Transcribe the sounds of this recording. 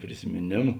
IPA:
pʲrʲɪsʲɪmʲeːˈnʲeːmʊ

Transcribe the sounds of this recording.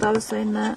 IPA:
ˈtɐʊ jɪˈsɐɪ nʲɛ

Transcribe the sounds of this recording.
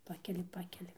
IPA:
ˈpɑːkʲɛlʲɪ ˈpɑːkʲɛlʲɪ

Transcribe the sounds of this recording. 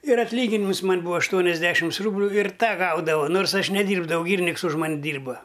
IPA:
ɪr ɐtʲlʲˈiːɡʲɪnʲɪmʊs ˈmɐnʲ ˈbuːʋɐ ɐʃˈtuɔnʲɛzʲˌdʲæːʃʲɪms ˈruːbʲlʲʊ ɪr ˈtɑː ˈɡɐʊdɐʋɐʊ ˈnoːrs ˈɐʃ nʲɛˈdʲiːrbdɐʋɐʊ ˈɡʲiːrʲɪnʲɪks ʊʃ ˈmɐnʲ ˈdʲiːrbɐ

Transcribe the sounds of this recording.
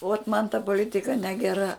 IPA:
oːt mɐn tɐ poːˈlʲɪtʲɪkɐ nʲɛɡʲɛˈrɐ

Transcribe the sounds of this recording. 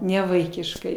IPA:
nʲɛʋɐɪkʲɪʃˈkɐɪ

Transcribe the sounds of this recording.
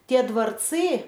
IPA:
tʲiɛ dʋɐrˈt͡sɨ

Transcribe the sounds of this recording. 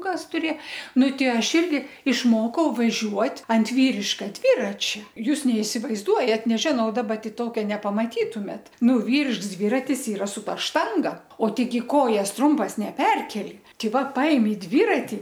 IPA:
ˈkɐs ˈtʊrʲeː ˈnʊ ˈtʲɪ ˈɐʃ ˈɪrʲɡʲɪ ɪʃˈmoːkɐʊ ʋɐˈʒʲuɔtʲ ɐnt ˈʋʲiːrʲɪʃkɐ ˈdʲʋʲɪrɐt͡ʃʲɛ ˈjuːs nʲɛɪsʲɪʋɐɪzˈduɔjɛt nʲɛˈʒʲɪnɐʊ dɐˈbɐ tʲɪ ˈtoːkʲɛ nʲɛpɐmɐˈtʲiːtʊmʲeːt ˈnʊ ˈʋʲiːrʲɪʃks ˈdʲʋʲɪrɐtʲɪs ˈiːrɐ sʊ ˈtɐ ˈʃtɐŋɡɐ oː ˈtʲɛɪɡʲɪ ˈkoːjɛs ˈtrʊmpɐs nʲɛˈpʲɛrʲkʲɛlʲɪ ˈtʲɛɪ ˈʋɐ ˈpɐɪmʲɪ ˈdʲʋʲɪrɐtʲɪ

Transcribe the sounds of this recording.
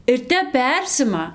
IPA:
ɪr ˈtʲɛp ˈpʲɛrʲsʲɪmɐ

